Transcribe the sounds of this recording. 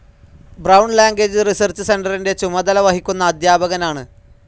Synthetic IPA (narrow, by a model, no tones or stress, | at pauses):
brɐwɳɖlaːŋɡeːd͡ʑɨrisɐrt͡ɕɨse̞nɖɐrinde̞t͡ɕumɐd̪ɐlɐʋɐɦikʲːunːɐːd̪jaːbɐɣɐnaːɳɨ